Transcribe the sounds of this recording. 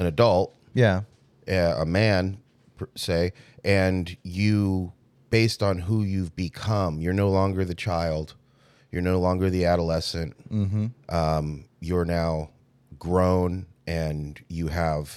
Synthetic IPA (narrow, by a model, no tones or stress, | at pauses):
ɨ̃nɨdʌlˠt̚ | jæ | ʌə̰mæ̃n | pʰseɪɨ̃njɨ | b̥eɪstn̩ɦujʉvbɨkʰʌ̃mjə˞noʊlɔ̃ŋɡə˞ðɨt͡ʃʰaɪlˠd̥ | jə˞noʊlɔ̃ŋɡə˞ðiæɾəlɛsɨ̃nʔʔʌ̃mjəə˞naʊ | ɡɹõʊ̃nʔɨ̃njɨəv̥